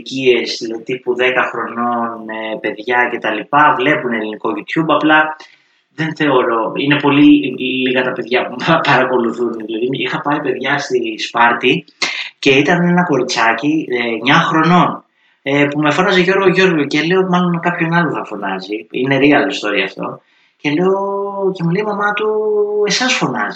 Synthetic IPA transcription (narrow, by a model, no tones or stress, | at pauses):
cie̞silɐðit̪ipuðe̞kɐxɾo̞no̞nepe̞ðʝɐce̞t̪ɐlipɐvle̞pune̞liniko̞ʝit̪çumbɐplɐ | ðe̞nθe̞o̞ɾo̞ine̞po̞liliɣɐt̪ɐpe̞ðʝɐpumɐpɐɾɐko̞luθunðilɐðiixɐpɐipe̞ðʝɐst̪ispɐɾt̪i | ce̞it̪ɐne̞nɐko̞ɾit͡sɐciɲɐxɾo̞no̞n | epume̞fo̞nɐze̞ʝo̞ɾɣo̞ʝo̞ɾɣocele̞omɐlo̞nmkɐpço̞nɐlonθɐfo̞nɐziine̞ɾiɐliist̪o̞ɾiɐ̰ft̪o̞̰ | ce̞le̞oce̞muleimɐmɐt̪ue̞sɐsfo̞nɐzi